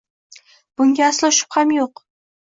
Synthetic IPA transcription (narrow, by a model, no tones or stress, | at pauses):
b̥ʊŋɡʲaːslˠɪʊʃɪ̥phamjoq